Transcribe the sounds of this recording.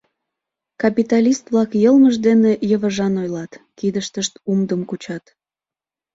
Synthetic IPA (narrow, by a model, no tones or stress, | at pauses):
kɑpit̪ɑlʲist̪βlɑkjəlməʒd̪enejəβəʒɑnojlɑt̪kid̪əʃt̪əʃt̪umd̪əmkut͡ɕɑt̪